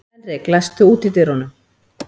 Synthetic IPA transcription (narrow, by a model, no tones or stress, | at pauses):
ɛnreklast̪ʏuːt̪ɪt̪ɪɾhɔnʏm